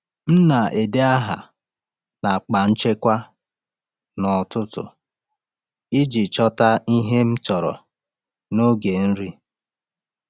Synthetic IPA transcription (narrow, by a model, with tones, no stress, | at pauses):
m̩˦na˨e˨de˦a˦ɦa̰˨ | na˨k͡pa˨n̩˦t͡ʃe˦kʷa˦ | nɔ˨tʊ˦tʊ̰˨ | ɪ˦d͡ʒi˨t͡ʃɔ˦ta˦i˦ɦe˦m̩˦t͡ʃɔ˨ɾɔ̰˨ | no˦ɡe˨n̩˦ɾi˦